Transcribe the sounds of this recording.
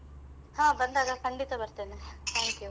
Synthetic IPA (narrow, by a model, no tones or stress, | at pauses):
haːbɐnd̪aːɡɐkɐɳɖit̪ɐbɐɾt̪eːnet̪ʰaːŋkju